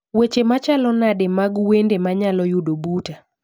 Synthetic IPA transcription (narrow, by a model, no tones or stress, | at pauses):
wet͡ʃemat͡ʃalɔnademaɡwendemaɲalɔjudobuta